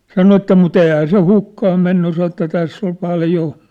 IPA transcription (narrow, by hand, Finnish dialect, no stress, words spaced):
sɑno etːæ mut eˑihæ se hukːɑh̆ menːy sɑ etːæ tæsː ol pɑljo